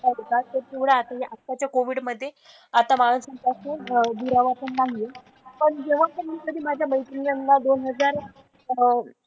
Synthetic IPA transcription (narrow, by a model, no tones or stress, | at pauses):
t̪aɾikat̪epuʋɽaːt̪ajeʔat̪ːjat͡ɕjakoʋiɽməd̪ʱːje | at̪amaəsəŋk̪ased̪ʱuɾaʋapəɳːaŋɡle | pəɳd͡ʑeʋat̪əmikəd̪iːmad͡ʑʱjabəjt̪iŋɡəŋɡad̪onɦəd͡zaɾ